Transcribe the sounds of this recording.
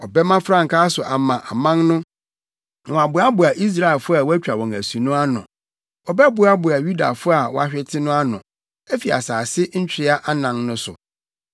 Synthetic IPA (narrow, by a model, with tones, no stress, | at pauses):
ɔ˨bɛ˦mã˦fɾã˦˨ŋ̩˨kʰa˦sʊ˨ʔa˨mã˨ʔa˨mã˦ŋnʊ̃˦˨ | ɔ̃˨a˨bʊ˨˦a˦bʊ˨a˨ʔi˦s̬ɾa˦ɛ˨lfʊ˦a˨wæ˦t͡ɕᶣɾa˨wɔ̃˨ŋæ˨sũ˨nʊ̃˦a˦nʊ̰̃˨ | ɔ˨bɛ˦bʊ˨˦a˦bʊ˨a˨ju˦da̰˨fʊ˦a˨wɔ̰˦a˦ɕᶣɪ˦tʰɪ˦nʊ̃˦a˦nʊ̃˨ | æ˦fi˨a̰˨saː˨sɪ˦ɲ̩˦t͡ɕᶣɪ˦ɾɪ˦a˦ʔa˦nã˨ŋnʊ̃˦sʊ̰˨